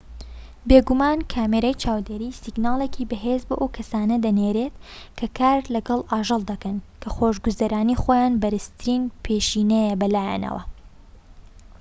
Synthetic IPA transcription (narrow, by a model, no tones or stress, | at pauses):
beːɡumaːnkʰaːmeɾɐjt͡ʃʰaːwd̪eːɾiːsiɡnaːlˠeːkʰibɐɦeːzbo̰ːʔɐwkʰɐsaːnɐd̪ɐneːɾeːt̪kʰɐkʰaːɾlɐɡɐlˠʔaːʒɨlˠd̪ɐkɐnkʰɐχoːʒɡuzɐɾaːniχoːjaːnbɐɾɨst̪ʰɨɾiːnpʰeːʃiːnɛjɛbɐlaːja̰nɐ̰wɐ̰